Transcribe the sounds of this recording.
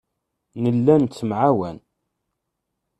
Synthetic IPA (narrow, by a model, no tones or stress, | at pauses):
nəlːænt͡sːəmʕawæ̰n